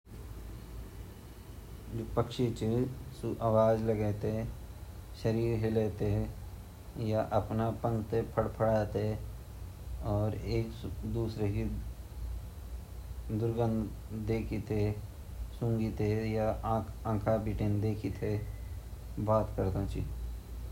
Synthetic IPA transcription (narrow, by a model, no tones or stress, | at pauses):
d͡ʒoːpəkʃet͡ʃesʔawaːd͡ʒləɡɛːt̪eɛ | ʃəɾiːɾɦeleːt̪eɦɛ | jaʔəpnapə̃ŋɡt̪epʰəɽpʰəɽaːt̪e | ɔːɾeːkd̪uːsɾeki | d̪ʊɾɡənd̪ | d̪eːkʰit̪e | sʊ̃ŋɡit̪ejãːãːkʰabiʈeːnd̪eːkʰit̪ʰe | baːt̪kəɾt̪ãt͡ʃḭ